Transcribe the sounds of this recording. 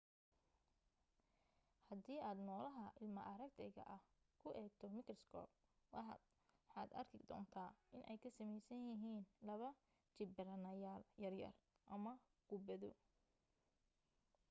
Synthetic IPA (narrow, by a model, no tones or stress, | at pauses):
hɐd̪iːʔaːd̪nɔːlɐɦɐʔɪlmɐʔɐɾɐk̚t̪ʰɛɣɐ̰ʔɐh | kʰʊʔɛːɡ̚t̪ʰɔmɪkrskʰɔ̰ːb̚ | wɑ | ħɑːd̪ɐ̰rkʰɪd̪ɔ̰ːnt̪ʰaːʔɪnʔɛ̰jkʰɐsɐmɛjsɐnjɪɦiːnlɐβɐ | t͡ʃɪbɪɾɐnɐjaːljɐrjɐ̰r | ʔɐmɐ | ɡ̥ʊbɐðʊ̰